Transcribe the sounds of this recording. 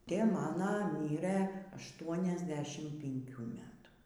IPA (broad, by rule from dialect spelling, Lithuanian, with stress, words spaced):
ˈtʲeː ˈmɑːnoː ˈmʲiːrɘ ɐʃˈtuɔnʲɛzʲˌdʲæːʃʲɪm pʲɪŋʲˈkʲuː ˈmʲæːtuː